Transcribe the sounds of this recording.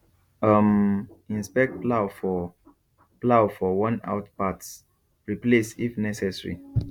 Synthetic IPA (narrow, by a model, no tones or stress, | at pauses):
ʌmĩnspɛk̚t̚plawfɔ | plawfɔwɔ̃na̰ʊtpats | ɹiplesifnɛsɛsɹḭ